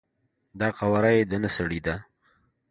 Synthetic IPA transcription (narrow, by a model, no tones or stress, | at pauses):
d̪ɑqawaɾajed̪ənasaɽid̪a